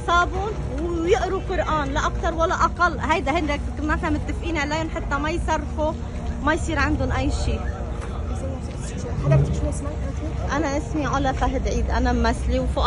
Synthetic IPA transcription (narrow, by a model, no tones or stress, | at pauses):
sˤɑːbʊn | wjɪʔɾuqʊɾʔaːnlaʔakt̪ɑɾˤwalːaʔɑqɑlːɦajd̪ahɪnɾak̪kɪnːafamɪt̪ːɪfʔiːnʕlajʊnħat̪ːamajsɑrˤːfu | majsˤiːɾʕand̪ʊnʔajːʃiː | ħad̪t̪ʃnsmat̪ːʔanaʔɪsmiʕʊlafaɦɪd̪ʕiːd̪ʔanammasliwfʊʔ